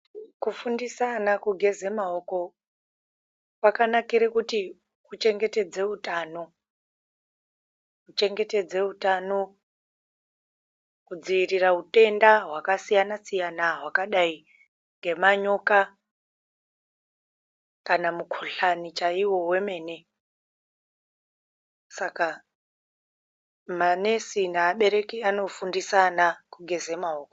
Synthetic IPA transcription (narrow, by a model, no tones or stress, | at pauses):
kufundisanakuɡʱe̞zemaoko̞ | pakanakiɾekuti | kut͡ʃe̞ŋɡe̞te̞d͡ze̞utaːno̞ | kut͡ʃe̞ŋɡe̞te̞d͡ze̞utano | kud͡ziʋiriraute̞ndaɦwakasijanasijanaɦwakaɗai | ŋɡe̞maɲo̞ka | kanamukʰoɬanit͡ʃaiwo̞we̞me̞ːne̞ | saka | mane̞sinaːɓe̞ɾe̞kiano̞fundisanakuɡʱe̞ze̞maɦoːko